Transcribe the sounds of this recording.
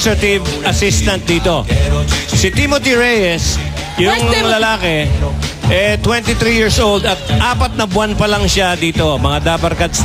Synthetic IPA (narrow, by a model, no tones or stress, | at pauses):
tɾɐt̪ɪvɐsist̪ɐnt̪̚d̪iːt̪o̞ | sɪt̪imot̪iɹɛjɛs | jʊŋlɐlaːkɛ | ʔɛt̪wɛ̃nt̪it̪ɾijiɹsʔowld̪ɐt̪̚ʔaːpɐt̪̚nɐbwanpɐlɐŋʃad̪iːt̪o̞mɐŋad̪aːpɐɾkad̪̚s